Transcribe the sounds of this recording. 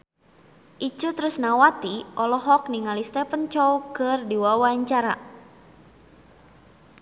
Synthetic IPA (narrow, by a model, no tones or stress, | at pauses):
ʔit͡ʃut̪ɾʊsnawat̪iʔɔlɔɦɔk̚niŋalist̪ɛpənt͡ʃɔwkɨrdiwawaɲt͡ʃaɾa